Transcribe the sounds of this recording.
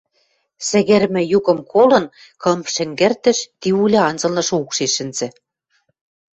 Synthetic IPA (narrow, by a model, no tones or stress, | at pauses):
sɘ̆ɣĕrmɘ̆juɣɤ̆mkʰolɤ̆n | kɤ̆mʃɘ̆ŋɡɘ̆rt̪ɘ̆ʃt̪iulʲɤ̆ɑnzɤ̆lnɤ̆ʃoukʃeʃɘ̆nz̥ɘ̆